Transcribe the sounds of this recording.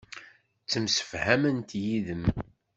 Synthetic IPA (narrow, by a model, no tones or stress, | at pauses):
t͡sːəmsə̥fhæmənt̪jiðəm